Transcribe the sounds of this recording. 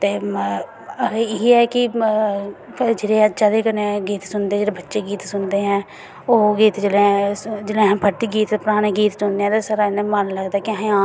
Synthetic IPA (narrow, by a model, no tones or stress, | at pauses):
t̪eː | əɾeɪiɛːkɪ | d͡ʒeːɽeːt͡ʃaleːkəneɡiːt̪sʊnd̪eːd͡ʒeːɽeːbətːʃeːɡiːt̪sʊnd̪eːɦɛ̃ː | oːɡiːt̪d͡ʒelẽd͡ʒɪlẽːɦpʰəʈ̪iɡiːt̪ːpʊɾaːɽeːɡiːt̪sʊnd̪eːɛ̃ːt̪eːsaːɾaːɪnẽmənləɡd̪aːkɪãː